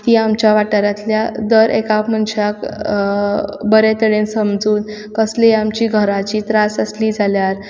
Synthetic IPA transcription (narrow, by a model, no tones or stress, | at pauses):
t̪iːamt͡ɕaʋaʈəɾat̪ljad̪əɾʔekapm̤əɳɕak | bəɾet̪əɽensəmd͡zuːn | kəsleamt͡ɕiːɡʱəɾat͡ɕiːt̪ɾasəsliːd͡zʱaljaɾ